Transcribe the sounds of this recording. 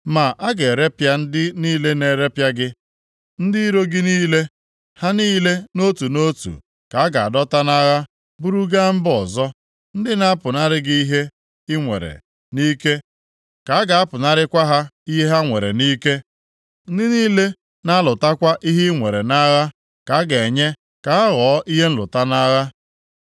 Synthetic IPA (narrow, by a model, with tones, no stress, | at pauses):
ma˨ʔa˦ɡe˨ɾe˦pja˦n̩˦dɪ˦niː˦le˦ne˨ɾe˦pja˦ɡɪ˦ | n̩˦dɪ˦i˦ɾo˦ɡɪ˦niː˦le˦ | ha˦niː˦le˦no˦tu˨no˦tṵ˨ | ka˨a˦ɡa˨a̰˨dɔ˦ta˦na˦ɣa˦ | bu˦ɾu˦ɡa˦m̩˦bɔ˨zɔ˦ | n̩˦dɪ˦na˦a˦pʊ˨na˦ɾɪ˦ɡɪ˦i˦ɦe˦ | ɪ˦ŋʷḛ˨ɾḛ˨ | ni˦ke˦ | ka˨˦a˦ɡa˨a˦pʊ˨na˦ɾɪ˦kʷa˦ɦa˦i˦ɦe˦ɦa˦ŋʷe˨ɾḛ˨niː˦ke˦ | n̩˦dɪ˦niː˦le˦ | na˦lʊ˨ta˦kʷa˦ʔi˦ɦi˦ŋʷe˨ɾe˨na˦ɣa˦ | ka˨a˦ɡe˨ɲe˦ | ka˨˦a˦ɣɔ˨˦ʔi˦ɦe˦n̩˦lʊ̰˨ta˦na˦ɣa˦